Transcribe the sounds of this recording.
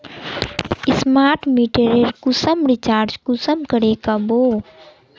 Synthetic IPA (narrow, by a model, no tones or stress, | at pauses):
ɪsmaːɾʈʰmiːʈeɾeɾkʊsəmɾɪt͡ʃaːɾd͡ʒkʊsəmkəɾekaboː